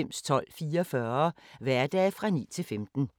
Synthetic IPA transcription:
em̰st͡sʰɒ̽l̰fiːɐɐfɶːɐʋæɐd̥ɛːfʁɑ̈nḭːt͡sʰe̝lfemd̥n̩

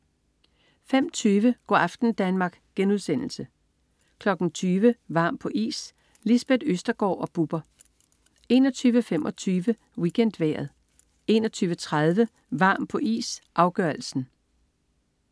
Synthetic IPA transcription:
fem̰t͡sʰyːʋəɡ̥ɒ̰ɑfd̥n̩d̥ænmɑ̈ːɡ̥ɡ̥enuð̞ˠsen̰l̩sə | kʰlɒ̽ɡ̥n̩t͡sʰyːʋəʋɑ̈ːmpʰɒ̽ʔḭːs | lisb̥ed̥øsd̥ɐɡ̥ɒ̰ːʔɒ̽b̥ub̥ɐ | e̝̰ːnɒt͡sʰyːʋəfemʔɒ̽t͡sʰyːʋə | wiɡ̥en̰d̥ʋæ̰ːɐð̞̩ˠ | e̝nɒt͡sʰyːʋət͡sʰʁað̞ˠʋə | ʋɑ̈ːmpʰɒ̽ʔḭːsʔɑ̈ʊɡ̥ɶɐl̩sn̩

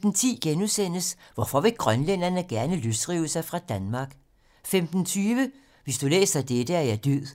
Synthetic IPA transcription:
n̩t͡sʰḭːɡ̥enuðˠsen̰əsʋɒfɒʋe̝ɡ̥ʁɶnlen̰ɐnəɡ̥æɐnəløsd̥ʁḭːʊəsɑ̈ɪfʁɑ̈d̥ænmɑ̈ɡ̥ | femd̥n̩t͡sʰyːʋə | ʋe̝sd̥ulḛːsd̥æd̥ed̥əæɐjæd̥øð̰ˠ

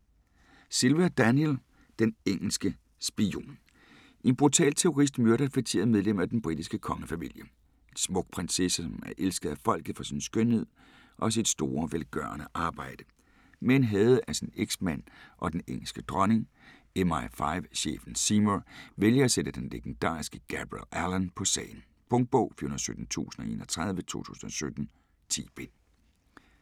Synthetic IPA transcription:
silʋæd̥ænjel | d̥eneŋ̰l̩sɡ̥ə | sb̥io̝̰ːn | ʔe̝nb̥ʁut͡sʰɛ̰ːlt͡sʰe̝o̝ʁis̬d̥møɐɾɐfe̥t͡sʰe̝ːɐðˠmeð̞ˠlem̰æd̥enb̥ʁid̥isɡ̥əkʰɒ̽ŋəfæmḭl̰jə | e̥smɔ̽ɡ̥̚pʰʁɛnsesɒmæɐʔelsɡ̥əð̞̩ˠæfɒ̽l̰ɡ̥ð̩ˠfɒ̽sinsɡ̥ønhe̝ð̞̰ˠ | ʔɒ̽s̬id̥sd̥o̝ːɐʋelɡ̥ɶɐ̰nəʔɑ̈ːb̥ɑ̈ɪ̰d̥ə̥ | menɦɛːð̩ˠəʔæsineɡ̥smæn̰ʔɒ̽d̥eneŋ̰l̩sɡ̥əd̥ʁɒ̽ne̝ŋ | emɑɪfɑ̈ɪʋɕḛːfn̩simoʋeljɐːsed̥əd̥enleɡ̥en̩d̥ɑ̰̈ːisɡ̥əɡ̥æb̥ʁiḛlælɐnpʰɒ̽sɛ̰ːɪn̩ | b̥ɔ̽ŋd̥̚b̥ɔʊ̰fyɐhunðˠsød̥n̩t͡sʰṵːsən̩ɒ̽e̝ːnɒt͡sʰʁað̞ˠʋət͡sʰo̝̰ːt͡sʰṵːsn̩ɒ̽sød̥n̩ | t͡sʰḭːb̥e̝

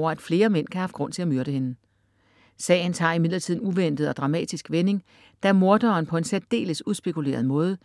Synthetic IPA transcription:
ɐæd̥fle̝ːɐmen̰kʰæhɑ̈fɡ̥ʁɔ̽n̰t͡sʰe̝æmyɐɾ̥əhe̝nə | sɛ̰ːɪn̩t͡sʰɑ̈ːimið̞̰ˠlɐt͡sʰið̰ˠnuʋen̰d̥ð̩ˠɒ̽d̥ʁɑ̈mɛ̰ːd̥isɡ̥ʋene̝ŋ | d̥æmo̝ɐd̥ɒːnpʰɒ̽e̝nsædd̥e̝̰ːləsuðsb̥e̝kʰule̝̰ɐð̞̩ˠmɔ̽ːð̞ˠə

